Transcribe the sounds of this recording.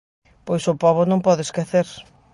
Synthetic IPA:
pojsʊpɔβʊnõmpɔðɪeskeθeɾ

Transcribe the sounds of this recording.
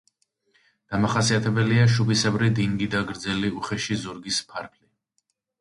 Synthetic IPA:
d̪̥amaχasiat̪ʰɛbɛliaʃubisɛbɾid̪iŋɡid̪aɡɾd̪zɛliuχɛʃizuɾɡispʰaɾpʰli

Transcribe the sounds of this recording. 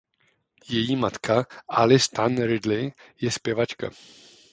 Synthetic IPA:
jɛjiːmat̪kʰaʔalɪst̪anɾɪd̪lɪjɛspjɛvat͡ʃka̰

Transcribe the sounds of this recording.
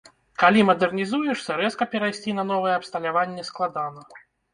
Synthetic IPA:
kalʲimɐd̪ɛrnʲizujɛʂsʲɐɾɛskɐpʲɛɾajsʲt͡sʲinɐnɔvɨjɛɐpst̪ɐlʲavanʲːɛsklˠad̪anɐ

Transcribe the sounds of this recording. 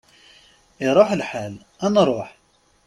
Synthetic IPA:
iɾˤoħəlħal | ʔænɾˤoħ

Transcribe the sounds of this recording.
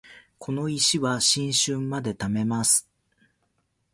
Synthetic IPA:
kʰo̞no̞iɕiβaɕĩɰ̃ɕɨ̃mːad̪e̞t̪ame̞masɨ̥

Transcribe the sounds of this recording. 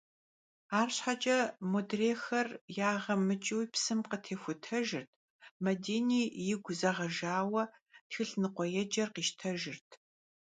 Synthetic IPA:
aːrɕħat͡ʃʼɐmodreːxɐrjaːʁɐmɨt͡ʃʼɨwpsɨmqətʰeːxʷʊtʰɐʒɨrtʰ | mɐdeːniːjɪɡʷzɐʁɐʒaːwɐtxɨɬnɨqʷɔjɛd͡ʒɐrqiːʃtʰɐʒɪrtʰ

